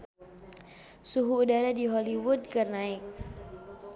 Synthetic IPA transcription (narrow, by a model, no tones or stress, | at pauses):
suɦuːdaɾadiɦɔliwʊd̚kərnaɪk̚